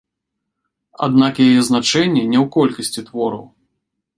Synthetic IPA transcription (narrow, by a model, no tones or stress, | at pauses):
a̰d̪nakjajɛznat͡ʂɛnʲːɛnʲɛwkɔlʲkɐsʲt͡sʲit̪vɔɾɐ̰w